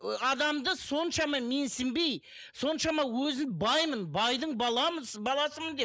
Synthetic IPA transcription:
ɑd̪ɑmd̪əso̞nʃɑmɑme̞nsɪmbe̞j | so̞nʃɑmɑwɵzɪnbɑjmənbɑjd̪əɴbɑlˠɑməbɑlˠɑsəmənd̪e

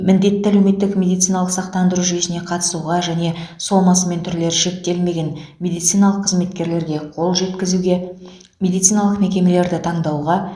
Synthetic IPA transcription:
mɪnd̪e̞t̪ːɪælewme̞t̪ːɪkmʲe̞d̪ijt̪sɨijnɑlˠəqsɑqt̪ɑnd̪əɾuʒʏje̞sɪne̞qʰɑt̪ə̥suʁɑʒæne̞so̞mɑsəme̞nt̪ʰʏɾle̞ɾʃek̚t̪e̞lme̞ɡʲe̞nmʲe̞d̪ijt̪sijnɑlˠəqʰːəzme̞t̪kʲe̞ɾle̞ɾɡʲe̞qʰo̞lˠʒe̞t̪kʲɪzuɡʲe̞ | mʲe̞d̪ijt̪sijnɑlˠəqme̞kʲe̞me̞le̞ɾd̪ɪt̪ʰɑɴd̪ɑwʁɑ

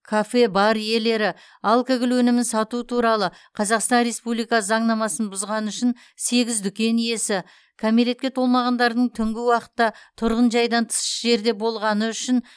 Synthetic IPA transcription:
kʰafe̞bɑɾje̞le̞ɾɪ | ɑlˠkaɡʲɪlwɵnɪmɪnsɑt̪uət̪ʰuɾɑlˠə | qʰɑzɑqst̪ɑnɾe̞spublijkɑsəzɑɴnɑmɑsənbʊzʁɑnəʏʃɪn | se̞ɡʲɪzd̪ʏkʲe̞nije̞sɪ | kʲʰæmele̞t̪̚kʲe̞t̪ʰo̞lˠmɑʁɑnd̪ɑɾd̪əɴt̪ʰʏŋɡʲɪwɑqə̥t̪ːɑt̪ʰʊɾʁənʒɑjd̪ɑnt̪ʰə̥sə̥ʒe̞ɾd̪e̞bo̞lˠʁɑnəʏʃɪn

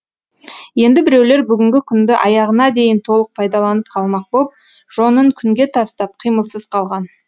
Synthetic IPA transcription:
je̞nd̪ɪbɪɾewle̞ɾbʏɡʲɪŋɡʲɪkʲʰʏnd̪ɪʔɑjɑʁənɑd̪e̞jɪnt̪ʰo̞lˠəq̚pʰɑjd̪ɑlˠɑnəp̚qʰɑlˠmɑq̚bop̚ | ʒ̥o̞nəɴkʲʰʏŋɡʲe̞t̪ʰɑst̪ɑp̚qʰijməlˠsəz̥qʰɑlˠʁɑn

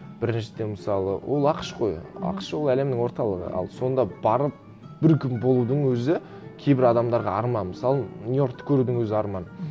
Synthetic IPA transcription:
b̥ɪɾɪnʃɪd̪e̞nməsɑlˠə̰wʔo̞lˠɑqəʃqʰo̞jɑ̰qʃwo̞lˠæle̞mnɪŋwo̞ɾt̪ɑlˠəʁə̰ɑ̰lˠso̞nd̪ɑb̥ɑɾəp̚ | b̥ɪɾkʲʰʏmbo̞lˠud̪əɴwɵzɪ | kʲʰe̞jbɪɾɑd̪ɑmd̪ɑɾʁɑɑ̰ɾmɑnmɪsɑlˠənʲjo̞rkt̪ːkʲʰɵɾud̪ɪŋwɵzɪɑɾmɑn

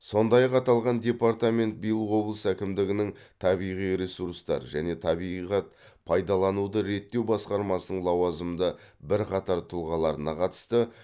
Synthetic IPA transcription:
so̞nd̪ɑjɑqɑt̪ɑlˠʁɑnd̪ʲe̞paɾt̪amʲe̞nt̪̚bijlˠəwo̞blˠəsækʲɪmd̪ɪɡʲɪnɪŋt̪ʰɑβijʁijɾe̞suɾst̪ɑ̰ɾʒæne̞t̪ʰɑbiʁɑt̪pʰɑjd̪ɑlˠɑnud̪əɾe̞t̪ːe̞wbɑsqɑɾmɑsənəɴlˠɑwɑzəmd̪əbɪɾqʰɑt̪ɑɾt̪ʰʊlˠʁɑlˠɑɾənɑqʰɑt̪ə̥st̪ə

